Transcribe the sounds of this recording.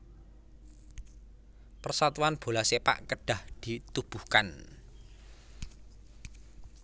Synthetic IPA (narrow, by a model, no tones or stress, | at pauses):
pərsat̪uanb̥o̤lasepa̰ʔkəɖ̥a̤hd̪̥i̤t̪ub̥ṳhkan